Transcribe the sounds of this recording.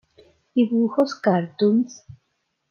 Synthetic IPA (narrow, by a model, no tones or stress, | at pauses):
iβuxoskaɾt̪uns